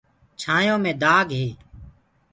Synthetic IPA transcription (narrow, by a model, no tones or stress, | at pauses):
t͡ʃʰaːjõːmẽːd̪aːɡɦeː